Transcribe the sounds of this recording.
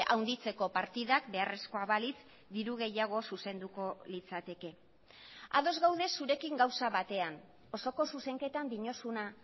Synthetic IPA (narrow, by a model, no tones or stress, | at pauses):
ʔawnd̪it͡se̞ko̞paɾt̪iðakbe̞are̞sko̞aβalit͡s | d̪iɾuɣ̞e̞jaɣ̞o̞suse̞nd̪uko̞lit͡sat̪e̞ke̞ | a̰ðo̞zɣawðe̞sːuɾe̞kiŋɡawsaβat̪e̞an | o̞so̞ko̞suse̞ŋke̞t̪and̪iɲo̞suna